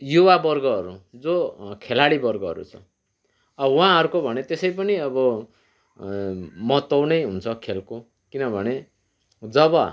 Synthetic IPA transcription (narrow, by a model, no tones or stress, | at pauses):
juwabʌrɡʌɦʌɾud͡zokʰelaɽibʌrɡʌɦʌ̰ɾṵt͡sʰʌ̰ | ʌwãɦʌɾukobʱʌnet̪esʌjpʌniʌbʌ | mʌt̪ʌwnʌjɦunt͡sʰʌkʰelko | kinʌbʱʌne | d͡zʌbʌ